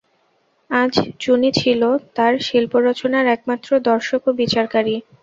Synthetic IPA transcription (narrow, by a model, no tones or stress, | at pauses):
ad͡ʑt͡ɕunit͡ɕʰilot̪aɾʃilpoɾɔt͡ɕonaɾɛk̚mat̪ːɾod̪ɔɾʃokobit͡ɕaɾkaɾi